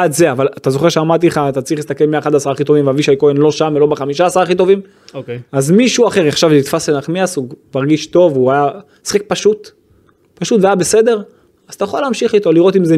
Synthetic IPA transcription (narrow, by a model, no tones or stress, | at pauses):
adzeavalat̪azo̞χe̞ʁʃeamaʁt̪̬ileχat̪at͡sʁiχlist̪akelmiaχad̪asaʁaːχit̪o̞vimvaviʃajkoenlo̞ʃamelo̞beχamiʃaːsaʁaːχit̪o̞vim | oeazmiʃuaχe̞ʁeχʃavit̪fasenaχmiasuɡmaʁɡiʃt̪o̞vuaja | si̥χek̚paʃut̪ | paʃut̪veajabese̞d̪e̞ʁ | az̥t̪ajeχoleːmʃiχit̪o̞liʁo̞t̪imze